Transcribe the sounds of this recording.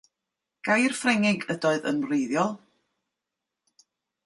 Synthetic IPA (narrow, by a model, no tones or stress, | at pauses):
ɡ̥ajr̥frɛŋɪɡədɔɨðə̰nrejðjɔlˠ